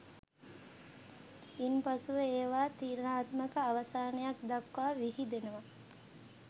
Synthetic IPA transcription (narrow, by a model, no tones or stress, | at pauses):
impasuʋeeːʋaːt̪iːɾnaːt̪məkəaʋɐsaːnejakd̪akːaːʋiɦid̪enəʋa